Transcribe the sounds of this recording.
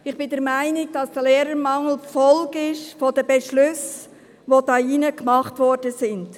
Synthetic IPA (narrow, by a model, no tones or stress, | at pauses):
ɪχb̥ɪdɛɾmæɪnɪɡd̥ɑsd̥əleːɾəɾmɑŋl̩fɔlɡɪʃfodəbɛʃlʉs | ʋod̥ɑːinəkmɑχtʋɔɾd̥əsɪnd